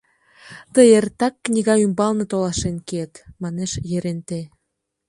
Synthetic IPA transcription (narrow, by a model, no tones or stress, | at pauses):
t̪ə̆jert̪ɑkːnʲiɣɑymbɑlnɤ̆t̪olɑʃenket̪mɑneʃjĕɾent̪e